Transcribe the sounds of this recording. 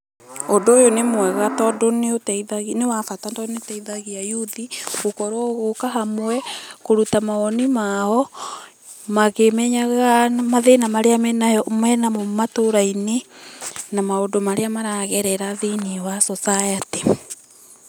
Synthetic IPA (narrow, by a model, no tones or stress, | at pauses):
ondoːjonemwɛɣatɔdoneotɛiðaɣinewafatantɔneotɛiðaɣiajuðiɣokɔɾwɔɣokaɦamowɛkoɾutamaɔnimaɔ | maɣemɛɲaɣamaðenamaɾeamɛnamɛnamɔmatoɾaine | namaondomaɾeamaɾaɣɛɾɛɾaðeniwasɔsajate